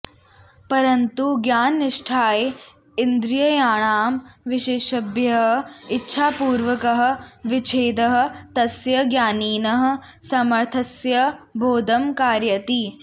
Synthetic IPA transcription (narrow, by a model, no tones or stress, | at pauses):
pɐɾɐnt̪uɡjaːnːɪʂʈʰaːe | ind̪ɾjɐjaːɳaːmʋɪʃeːʃɐbjɐɦɐitːʃʰaːpuːɾʋɐkɐɦɐ̆ʋɪt͡ʃʰeːd̪ɐɦɐ̆t̪ɐsjɐɡjaːniːnɐɦɐ̆ | sɐmɐɾt̪ʰɐsjɐbʱoːd̪ɐmkaːɾjɐt̪i